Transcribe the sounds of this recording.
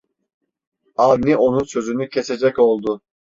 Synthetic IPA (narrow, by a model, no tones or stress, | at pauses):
avniʔo̞nunsø̞zynycʰese̞d͡ʒɛco̞lˠd̪ʊ